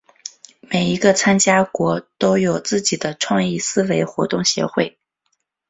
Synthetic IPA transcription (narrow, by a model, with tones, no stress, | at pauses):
me˨˩ɪi˧˥ɡə˧t͡sʰa˥nt͡ɕja˥kwɔ˧˥t̪o˥ʊjo˨˩ʊt͡sɹ̩˥˩t͡ɕi˨˩d̪ə˦ʈ͡ʂʰwɑ˥˧ŋi˥˩sɹ̩˥we˧˥ɪxwɔ˧˥t̪ʊ˥˩ŋɕjɛ̰˧˥xwe˥˩ɪ